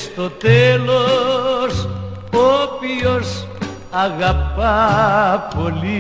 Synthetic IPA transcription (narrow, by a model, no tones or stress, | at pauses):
st̪ot̪elos | opjios | aɣapa | poli